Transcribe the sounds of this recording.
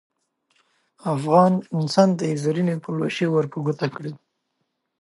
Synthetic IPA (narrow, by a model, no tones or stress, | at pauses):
afɣɑnɪnsɑnd̪əjezaɾinepəloʃewəɾpəɡut̪akɽe